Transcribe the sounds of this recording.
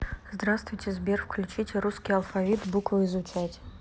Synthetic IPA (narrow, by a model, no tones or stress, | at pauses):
zd̪rast̪vujtʲʰezbʲerfklʲut͡ʃʰitʲʰeɾuskʲijalˠfavʲit̪bukvɐizut͡ʃʰatʲ